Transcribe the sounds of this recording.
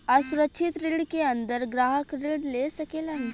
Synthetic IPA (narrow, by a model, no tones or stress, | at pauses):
ɐsʊɾətːʃʰɪt̪ɾiːɽkeɐ̃nd̪əɾɡɾaːɦəkɾeɽleːsɐkeːlaːɦĩ